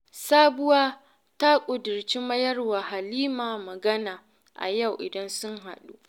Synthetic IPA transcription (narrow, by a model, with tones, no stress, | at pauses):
saː˦bʊ˦waː˦ | ta˦kʷʼʊ˨dʊ˨rt͡ʃi˦mɐ˦jɐ˦rwa˨ha˨liː˦maː˨mɐ˨ɡɐ˦naː˨ | ʔa̰˨ja˦˨wʔɪ̰˨dɐ˦nsʊ˦ŋɦa̰˨ɗṵ˦